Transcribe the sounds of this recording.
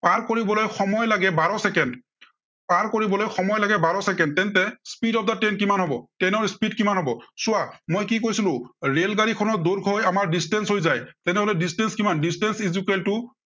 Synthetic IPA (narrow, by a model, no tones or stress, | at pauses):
paɹkoɹibɔlojxɔmɔjlaɡɛbaɹɔsɛkɛnd | paɹkoɹibɔlojxɔmɔjlaɡɛbaɹɔsɛkɛnd̚tɛntɛspidɔp̚datɛnkimanɦɔbɔtɛnɔɹspidkimanɦɔbɔsʊamojkikojsilʊ̃ɹelɡaɹikʰɔnɔt̚doɹɡʱɔjamaɹdistɛnsɦojzajtɛnɛɦolɛdistɛnskimandistɛnsizukɛltʊ